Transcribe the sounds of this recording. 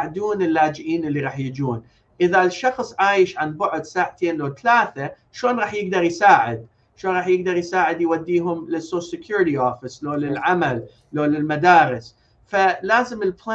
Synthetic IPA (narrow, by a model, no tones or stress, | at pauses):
ʕd̪uːnɪlːaːd͡ʒʔiːnʔɪlːiɾˤɑːħjɪd͡ʒuːn | ʔɪðalʃɑxsˤʕaːjɪʃʕanbʊʕʊd̪saːʕt̪ʰeːnloːt̪alaːθa | ʃoːnɾˤɑːħjɪɡ̚d̪ɑɾˤjsaːʕɪd̪ | ʃoːnɾˤɑːħjɪɡd̪ɑɾˤjsaːʕɪd̪jwad̪ːiːɦʊmlɪsosɪkjuːɾɪɾiʔoːfɪsloːlɪlʕamalː | oːlɪlmad̪aːɾɪs | falaːzɪmɪlpla